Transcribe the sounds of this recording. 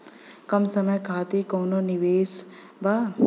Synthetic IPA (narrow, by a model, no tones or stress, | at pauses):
kɐmsɐməjkʰaːt̪ikoːnoniʋeːs | ba